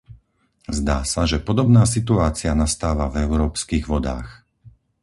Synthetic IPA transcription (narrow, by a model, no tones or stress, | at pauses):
zd̪aːsaʒɛpɔd̪ɔbnaːs̬it̪̬uaːt͡sianast̪aːʋavɛʊɾɔːpskiːɣʋɔd̪a̰ːx